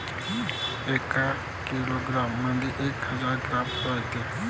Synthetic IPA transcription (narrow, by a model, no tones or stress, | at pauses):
eka | kiloɡɾamːənd̪iʔekhəd͡zaɾɡɾamʈɔɦjt̪e